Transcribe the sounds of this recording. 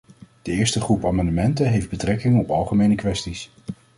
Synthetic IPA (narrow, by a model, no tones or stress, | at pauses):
d̥əɪːɹstəχrupaːmɑndəmɛntənɦejfd̚bətrɛkɪŋənɔpɑlˠχəmejnəkʋɛstis